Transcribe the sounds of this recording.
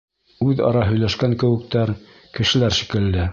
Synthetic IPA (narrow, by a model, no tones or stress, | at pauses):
ʉðɑ̰ɾɑɦɵ̆jlæʃkæŋkɘ̆wɘ̆k̚t̪æɾ | kɘ̆ʃɘ̆læɾʃi̥kɘ̆ld̪ɘ